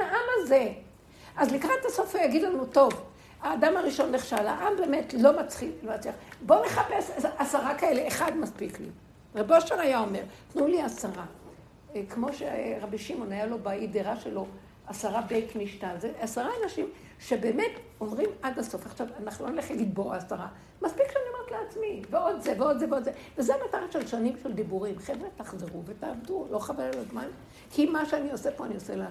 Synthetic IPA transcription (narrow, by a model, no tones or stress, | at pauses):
aʔamaze | azlikʁattaso̞fujaɡidlanuto̞v | aːdamaʁiʃo̞nːeχʃala̰ʔambe̞ːmetlo̞mat͡sχilomat͡sliaχbone̞χapesasaʁakae̞leːχad̪maspiklḭ | ʁeboʃeʁajaomeʁt̪nuliasaʁa | kmo̞ʃeʁabiʃimo̞najalo̞baideʁaʃelo̞ | asaʁabejkniʃtazeasaʁaanaʃim | ʃebe̞ːmet | omʁimad̪aso̞faχʃavanaχnulo̞neleχlaɡid̪̚boaasaʁa | maspikʃeaniomeetleat͡smiveo̞d̪zeveo̞d̪zeveod̪zevezeamat̪aʁaʃelʃanimʃeld̪ibuʁimχevʁetaχzeʁuvetaːvdulo̞χavejlazman | kʰimaʃeanio̞sepoaniosela